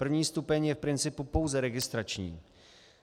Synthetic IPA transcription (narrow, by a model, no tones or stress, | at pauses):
pr̩vɲiːst̪upɛɲjɛfpɾɪnt͡sɪpupowzɛɾɛɡɪst̪ɾat͡ʃɲḭː